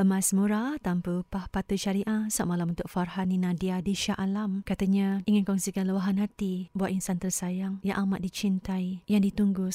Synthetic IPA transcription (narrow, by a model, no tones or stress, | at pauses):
əmãsmũɾat̪ampəpahpat̪əʃaɾiʔasaʔmalamunt̪ʊk̚farɦaninãdiadiʃaʔalamkat̪aɲaiŋankɔŋsikanluwaɦanɦat̪ibuat̪ʔinsant̪əsajaŋjaʔamat̪̚dit͡ʃint̪aijaŋdit̪uŋɡʊs